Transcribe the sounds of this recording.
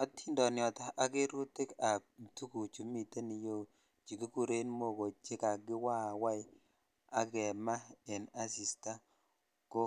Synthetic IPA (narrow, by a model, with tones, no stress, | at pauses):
ɔ˦tʰi˦ndɔ˨njɔ˨ta˨ʔa˨˦ke˦ɾu˦tɪ˦ka˨tu˦ku˨t͡ʃu˨˦mi˨te˦ni˨jo˦ | t͡ʃi˨ki˦ku˦ɾe˦nmo˦˨ko˨t͡ʃe˦ka˨ɡɪ˦wa˦˨wa˦j | a˦kɛ˨ma˦ɛ˨na˦si˨sta˦ | ko˦